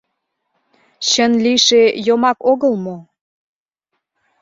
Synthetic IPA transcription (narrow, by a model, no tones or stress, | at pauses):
ɕənliʃejomɑkoɣəlmo